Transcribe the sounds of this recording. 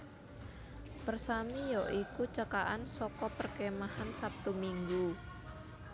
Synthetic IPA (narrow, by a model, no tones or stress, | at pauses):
pərsamijɔʔikut͡ʃəkaʔansɔkɔpərkɛmahansap̚t̪umiŋɡu